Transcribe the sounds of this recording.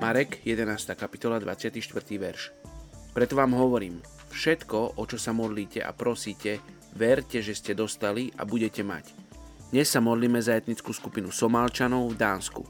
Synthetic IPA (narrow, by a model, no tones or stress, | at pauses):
maɾɛkjɛd̪ɛnaːst̪aːkapi̥t̪ɔlad̪ʋa̰t͡sɪat̪iːʃt̪ʋr̩t̪iːʋɛɾʃpɾɛt̪ɔʋaːmɦɔʋɔɾiːm | fʃɛt̪kɔʔɔt͡ʃɔsamɔd̪liːcɛ̰ʔa̰pɾɔsiːcɛ | ʋɛɾcɛʒɛscɛd̪ɔst̪alia̰buɟɛcɛma̰cd̪ɲɛsːamɔd̪liːmɛzaɛt̪ɲit͡skuːskupinusɔmalt͡ʃanɔʊvd̪aːnskṵ